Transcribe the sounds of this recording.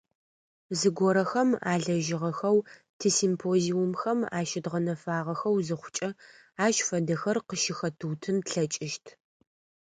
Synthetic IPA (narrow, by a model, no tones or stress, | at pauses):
zɨɡʷɔɾɐxɐma̰ːɮɐʒɪʁɐxɐw | tʰɨsimpʰoːziumxɐma̰ːʃɪdʁɐnɐfaːʁɐxɐwzɨχʷʊ̥t͡ʃʼɐ | aːʃfɐdɐxɐrqəʃɪxɐtʰutʰɨmtɬɐt͡ʃʼɪʃtʰ